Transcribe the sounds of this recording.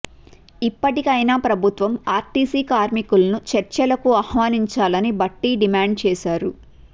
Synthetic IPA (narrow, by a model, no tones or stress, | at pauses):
ipːɐʈikɐjnaːpɾɐbʱut̪ʋɐmaːɾt̪iːsiːkaːɾmikulɐnut͡ʃɐɾt͡ʃɐlɐkuɐhʋaːniɲt͡ʃaːlɐnibɐʈːiɖimaːɳɖ̚t͡ʃɛːsaːɾu